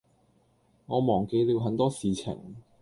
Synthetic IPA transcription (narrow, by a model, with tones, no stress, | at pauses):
ŋɔː˨˧mɔː˨˩ŋke˧jliː˨˧wɦɐ˨˥nt̪ɔː˥siː˨t͡sʰɪ̰˨˩ŋ